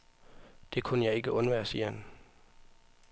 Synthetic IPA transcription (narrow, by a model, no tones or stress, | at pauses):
d̥e̝kʰunəjɑ̈ɪe̝ɡ̥əʔɔ̽nʋæːɐsiːɐhæn